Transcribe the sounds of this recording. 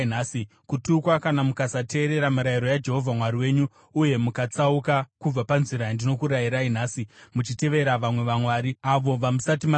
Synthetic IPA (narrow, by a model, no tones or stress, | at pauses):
naːsi | kutukwakanamukasate̞ːɾe̞ɾamiɾajiɾo̞jad͡ʒe̞ɦo̞vʱamwariwe̞ːɲuː | je̞mukat͡saukakub͡vapanziɾajandino̞kuɾajiɾainaːsimut͡ʃite̞ʋe̞ɾaʋamwe̞ʋamwaːɾiaʋo̞ʋamusatima